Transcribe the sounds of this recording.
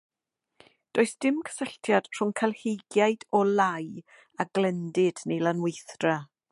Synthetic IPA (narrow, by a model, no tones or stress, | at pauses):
d̥oːɨsd̥ɪmkʰə̥səɬtʰjad̥r̥ʊŋkʰalˠhejɡjajdɔlˠaj | aɡlɛndɪdnejlˠanwejθd̥ra